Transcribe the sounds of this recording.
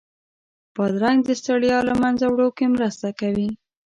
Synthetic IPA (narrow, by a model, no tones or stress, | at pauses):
pəd̪ɾaŋɡd̪əst̪aɽjɑlamanzawɽokemɾəst̪akawi